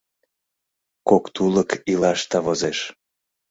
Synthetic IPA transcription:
kokt̪uləkilɑʃt̪ɑβozeʃ

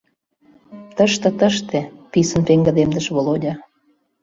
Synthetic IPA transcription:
t̪əʃt̪ə̆t̪əʃt̪ĕpisə̆npeŋɡə̆d̪emd̪ə̆ʃβolodʲɑ

